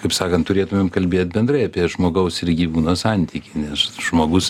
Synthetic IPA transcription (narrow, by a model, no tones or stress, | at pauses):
kɐɪpsɑːkɐnt̪ʊɾʲeːt̪ʊmʲeːmkɐlʲbʲeːt̪̚ʲbʲɛnd̪rɐɪɐpʲiɛʒmoːɡɐʊsɪɾɡʲiːʋuːnoːsɑnʲt̪ʲikʲɪnʲɛsʒ̥moːɡʊs